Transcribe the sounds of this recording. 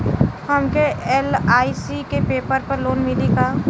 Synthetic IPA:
hɐmkeeːlaːisikepeːpəɾpəɾloːnmɪlikaː

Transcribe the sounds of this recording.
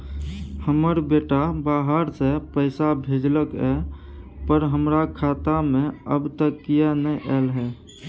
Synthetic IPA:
həməɾbeʈabaɦəɾsepəɪsabʱed͡ʒləkɛ̰ | pəɾɦəmɾakʰat̪amẽəbt̪əkːijanəʔɛlɦɛ

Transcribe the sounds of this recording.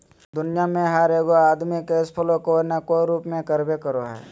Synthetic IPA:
d̪ʊnɪjamẽɦəɾeːɡoaːd̪mikeɪspʰəlokonəkoɾuːpmẽkəɾbekəɾoɦɛ̰ː

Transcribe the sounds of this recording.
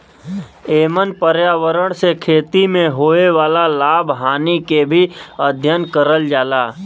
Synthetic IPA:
eːmənpəɾjaːʋəɾəɽ̃sekʰeːt̪imẽɦoːeʋaːlalaːbʱɦaːnikebʱiəd̪ʱjənkəɾəld͡ʒaːlaː

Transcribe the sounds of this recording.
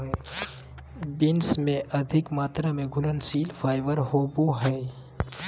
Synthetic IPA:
bɪnsmẽʔɐd̪ʱɪkmaːt̪ɾamẽɡʱʊlənsiːlfʰaːɪʋəɾɦoːbuɦɛː

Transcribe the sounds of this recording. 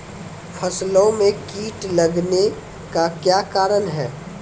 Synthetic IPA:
fʰɐslõmẽkiːʈlɐɡne | kakjaːkaːɾənɦɛː

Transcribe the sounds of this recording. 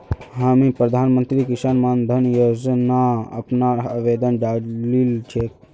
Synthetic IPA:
ɦamipɾəd̪ʱaːnmənt̪ɾikisanmand̪ʱənjod͡ʒnaə̰pnaəʋed̪ənd͡ʒalilt͡ʃʰek

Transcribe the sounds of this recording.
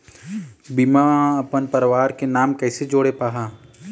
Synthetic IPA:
bimaɐpənpəɾʋaːɾkenaːmkɛːsed͡ʒoːɽepaːɦaː

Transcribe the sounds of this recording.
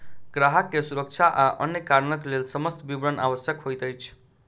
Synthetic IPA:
ɡ̥ɾaɦəkːesuɾək̚t͡ʃʰaʔaʔʌ̰njekaɾnʌklelsʌmʌst̪bibɾʌnʔa̰wʌsjəkɦojt̪ʌjt͡sʰ

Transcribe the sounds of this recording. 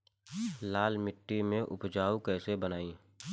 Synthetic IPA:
laːlmɪʈːimẽʔʊ̰pd͡ʒaːukɛːsebənaːĩː

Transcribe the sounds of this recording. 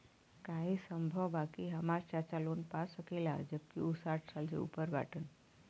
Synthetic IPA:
kaɦiːsəmbʱəʋbakiːɦəmaɾt͡ɕat͡ɕaluːnpasəkela̰d͡ʑəb̚kiusaʈʰsald͡ʑḛṵpəɾʋa̰ʈən

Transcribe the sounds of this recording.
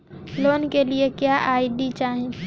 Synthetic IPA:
loːnkeliekjaːʔaːɪd̪it͡ʃaːɦẽ

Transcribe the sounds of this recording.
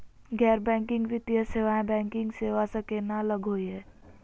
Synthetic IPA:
ɡɛːɾbɛ̃ːŋkɪ̃ŋɡʋɪt̪ijəseʋaẽbɛ̃ːŋkɪ̃ŋɡseːʋasəkenaləɡʱoiɦɛ

